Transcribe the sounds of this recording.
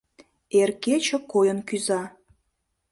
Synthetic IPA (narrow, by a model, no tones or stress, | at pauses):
erket͡ɕə̆kojənkyzɑ